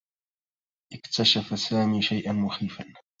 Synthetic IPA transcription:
ʔɪkt̪aʃafasaːmiːʃajʔanmʊxiːfan

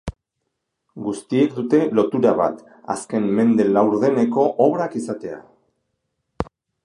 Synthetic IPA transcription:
ɡust̪ie̞k̚d̪ut̪e̞lo̞t̪uɾaβa̰t̪ | a̰ske̞nme̞nd̪e̞lawɾðe̞ne̞ko̞ʔoβɾakisat̪e̞a̰

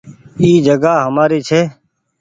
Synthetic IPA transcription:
iːd͡ʒəɡaːɦəmaːɾiːt͡ʃʰeː

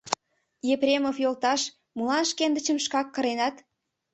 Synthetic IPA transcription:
jeprʲemofjolt̪ɑʃ | mulɑnʃkend̪ə̆t͡ɕəmʃkɑkːə̆ɾenɑt̪

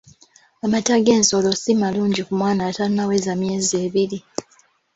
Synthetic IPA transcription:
amataɡe̞ːnso̞losimaluːɲɟikumwaːnaːtainawe̞zamje̞ːzieːβiɾi

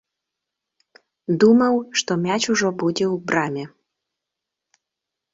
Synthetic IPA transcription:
d̪umɐwʂt̪ɔmʲat͡ɕuʐɔbud͡zʲɛwbɾamʲɛ

